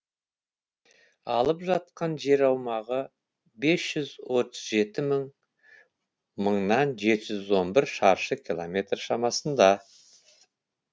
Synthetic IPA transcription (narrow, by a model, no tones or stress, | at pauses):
ɑlˠəpʒɑt̪̚qɑnʒe̞ɾɑwmɑʁə | be̞sʒ̥ʏzwo̞t̪əzʒe̞t̪ɪməɴ | məɴnɑnʒe̞t̪ɪʒʏzwo̞nbɪɾʃɑɾʃəkʲʰilˠomʲe̞t̪rʃɑmɑsənd̪ɑ